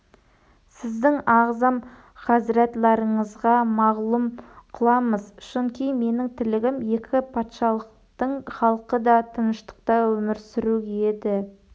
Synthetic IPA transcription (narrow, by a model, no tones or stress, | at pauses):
sɪzd̪ɪŋɑʁzɑm | χɑzɪɾɑt̪lˠɑɾəɴəzʁɑmɑʁlˠumqʰəlˠɑməzʃʊnkʲijme̞nɪŋt̪ʰɪlɪɡʲɪmje̞kʲɪpʰɑt̪ʃɑlˠəq̚ | t̪əɴχɑlˠqəd̪ɑt̪ʰənəʃt̪ə̥qt̪ɑwɵmɪɾsʏɾuɡʲed̪ɪ